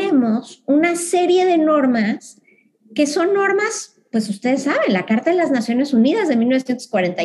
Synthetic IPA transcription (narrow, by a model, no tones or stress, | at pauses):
emo̞sunase̞ɾje̞ðe̞no̞ɾmas | ke̞so̞nːo̞ɾmas | pwe̞sust̪e̞ðe̞sːaβe̞nlakaɾt̪aðelaznasjo̞ne̞suniðazðe̞milno̞sjent̪o̥skwaɾe̞nt̪a